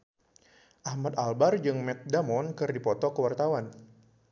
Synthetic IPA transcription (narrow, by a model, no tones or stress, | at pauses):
ʔahmat̪albard͡ʒɨŋmɛt̪̚damɔnkɨrdipɔt̪ɔkəwart̪awan